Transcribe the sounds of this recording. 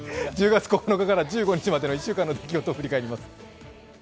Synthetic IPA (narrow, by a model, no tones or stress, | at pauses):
d͡ʑɨːɡat͡sɨ̥ko̞ko̞no̞kakaɾad͡ʑɨːɡo̞ɲ̟it͡ɕimad̪eoiɕːɨːkãnːo̞d̪e̞kʲiɡo̞t̪oːɸɯ̟ɾʲikaeɾʲimasɨ̥